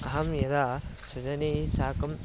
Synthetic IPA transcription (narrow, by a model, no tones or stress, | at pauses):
ɐɦɐmjɐd̪a | sud͡ʒɐnisaːkɐm